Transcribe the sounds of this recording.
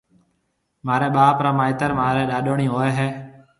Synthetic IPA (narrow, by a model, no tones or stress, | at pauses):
maːɾɛ̃ːɓaːpɾaːmaːɪt̪əɾmaːɾeːɗaːɗoːɳiːɦoːeːɦeː